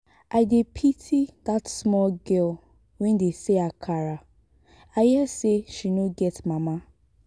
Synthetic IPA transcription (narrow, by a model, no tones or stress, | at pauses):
ʔaɪdepʰitʰidatsmɔlɡɛl | wɛndeseakʰaɾa | ajɛseʃinoɡɛtmama